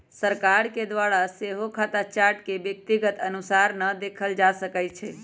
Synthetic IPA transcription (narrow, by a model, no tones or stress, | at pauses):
səɾkaɾked̪waɾaseɦokʰat̪at͡ʃaɾʈkebjək̚t̪iɡət̪ənusaɾnəd̪ekʰəld͡ʒasəkət͡ʃʰɛ